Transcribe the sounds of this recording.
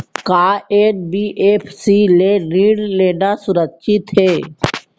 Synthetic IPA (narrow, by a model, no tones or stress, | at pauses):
kaːenbiːʔeːpʰsileniːɽleːnasʊɾəkʃɪt̪ɦeː